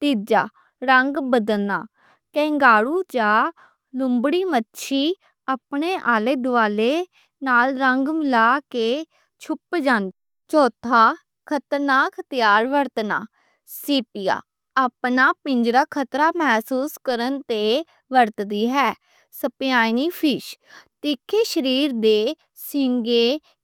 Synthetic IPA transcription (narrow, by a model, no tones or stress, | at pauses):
t̪iːd͡ʒa̰ː | ɾəŋɡbəd̪əlnaː | kɛ̃ːŋɡaːɽuːd͡ʒaː | lʊmbɽiːmətːʃʰiː | aːpneːʔaːleːd̪ʊaːleː | naːlɾəŋɡmɪlaːkeː | t͡ʃʰʊpd͡ʒaːn | t͡ʃɔːt̪ʰaː | kʰət̪ənaːkʰət̪jaːɾʋəɾt̪na̰ː | siːpija̰ː | aːpnaːpɪɲd͡ʒɾaːkʰət̪ɾaːmɛːsuːskəɾənt̪eː | ʋəɾt̪d̪iːɦɛː | səpjaːniːpʰɪʃ | t̪ɪkʰːeːʃəɾiːɾd̪eː | sɪŋɡeː